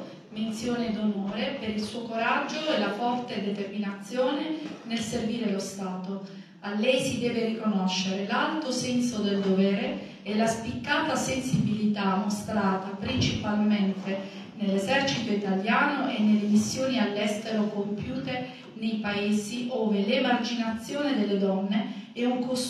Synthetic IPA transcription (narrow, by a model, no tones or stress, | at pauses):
ment̪sjoːned̪onoːɾepeɾilsuːokoɾad͡ʒːoɛlafɔrt̪ed̪et̪erminat̪sːjoːnenelserviːɾelost̪aːt̪o | alːɛjsid̪ɛːverikonoʃːeɾelalt̪osɛnsod̪eld̪ovɛːɾe | ɛlaspikːaːt̪asensibilit̪amːost̪ɾaːt̪apɾint͡ʃipalment̪e | nelːezɛrt͡ʃit̪oit̪aljaːnoʔenːelːemisːjoːnialːɛst̪eɾokompjuːt̪e | nejpaeːziʔoːvelemard͡ʒinat̪sːjoːned̪elːed̪ɔnːeɛuŋkos